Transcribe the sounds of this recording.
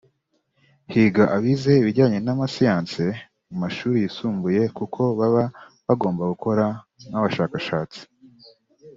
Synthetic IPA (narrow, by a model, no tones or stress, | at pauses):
hiːɡaʔaβize̞iβiɾɟaːɲe̞namasijaːnse | mumaʃuːɾijisuːmbuje̞kukʰo̞βaβa | βaɡo̞ːmbaɡuko̞ɾa | naβaʃaːkaʃaːt͡si̥